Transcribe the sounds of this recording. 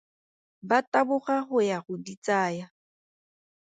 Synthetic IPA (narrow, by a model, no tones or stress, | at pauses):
batʼabʊɣaχʊjaɣʊdit͡sʼaːja